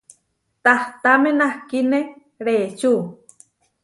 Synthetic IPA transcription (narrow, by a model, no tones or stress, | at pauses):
t̪aht̪amẽnahkine | ɾeːt͡ʃu